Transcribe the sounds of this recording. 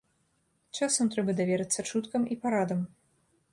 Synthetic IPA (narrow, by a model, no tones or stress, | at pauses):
t͡ʂasɐmt̪ɾɛbɐd̪avʲɛɾɐt̪sːɐt͡ʂut̪kɐmipaɾad̪ɐm